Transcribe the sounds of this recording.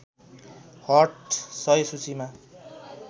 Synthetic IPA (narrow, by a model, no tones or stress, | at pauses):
hʌrʈsʌjsut͡sima